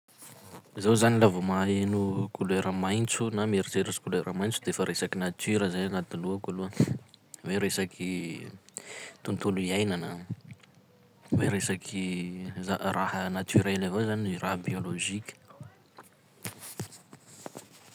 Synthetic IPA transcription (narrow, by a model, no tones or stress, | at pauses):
zawzanilavumaenukʰulueɾəmajnt͡sunameɾiteɾaskuleɾʔəmajnt͡sud̪efəɾesakinat̪yɾəzajanat̪iluəkaluə | weɾesakʰi | t̪unt̪uluiajnanə̰ | weɾesakʰizarahənat̪yɾelavazanirʔabioloʒikʲə̥